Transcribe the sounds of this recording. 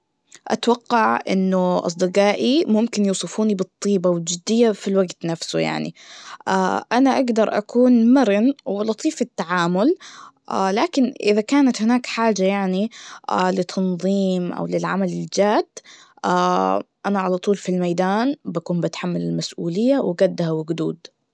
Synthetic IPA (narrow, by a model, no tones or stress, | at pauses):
ʔa̰t̪awɑqːɑʕʔɪ̰nːʊʔɑ̰s̬ˤd̪ɨqɑːʔimʊmkɪnjuːsˤɨfuːnibɨt̪ˤːiːbawɪld͡ʒʊd̪ɪjːafilwaɡt̪nafsṵja̰ʕnḭʔaʔanaʔaɡd̪ɑɾˤʔa̰kuːnmaɾɪnwɪlɑt̪ˤiːfɪt̪ːaʕaːmʊlʔa̰laːkɪnʔɪðakaːnat̪hɪnaːkħaːd͡ʒajaʕniʔa̰lɪt̪ʰːɑnðˤiːmʔa̰wlɪlʕamalɪld͡ʒaːd̪̥ː | ʔaːʔanaʕalɑt̪ˤuːlfilmajd̪aːnbakuːnbɪt̪ħamːalɪlmasʔṵːlɪjːawɪɡad̪ːhawɪɡd̪uːd̪